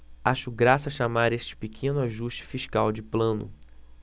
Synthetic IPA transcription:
aʃʊɡɾasɐʃamaɾest͡ʃɪ̥pekʰẽnʊaʒuʃt͡ʃɪ̥fiʃkawd͡ʒɪplɐ̃nʊ̰

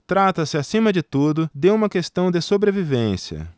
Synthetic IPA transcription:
t̪ɾat̪ɐsɪasĩmɐd͡ʒɪt̪ud̪ʊd̪ewũmɐkest̪ɐ̃w̃d̪ɪsobɾevivẽsiɐ̰

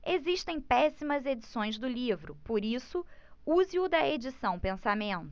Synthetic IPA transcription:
eziʃt̪ẽj̃pɛsimɐzed͡ʒisõj̃zd̪ʊlivɾʊpoɾisʊuzɪʊd̪ɐed͡ʒisɐ̃w̃pẽsamẽnt̪ʊ

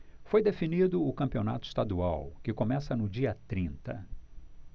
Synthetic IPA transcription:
fojd̪efinid̪ʊʊkɐ̃mpiona̰t̪ʊi̥st̪ad̪uawkɪkomɛsɐnʊd͡ʒiɐt̪ɾĩnt̪ɐ̰

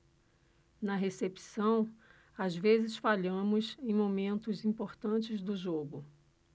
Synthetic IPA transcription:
nɐɦesepi̥sɐ̃w̃ | azvezɪsfaʎɐ̃mʊsẽj̃momẽnt̪ʊzĩpoɾt̪ɐ̃t͡ʃɪzd̪ʊʒoɡʊ

